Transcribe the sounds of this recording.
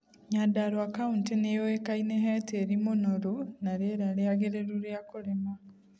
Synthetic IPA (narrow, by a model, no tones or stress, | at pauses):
ɲadaɾwakauntenejowekaineɦeteɾimunoɾunaɾeɾaleaɡeɾeɾuɾjakuɾema